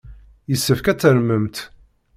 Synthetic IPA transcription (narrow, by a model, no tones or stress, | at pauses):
jəsːəfkæt͡sːəɾməmt̪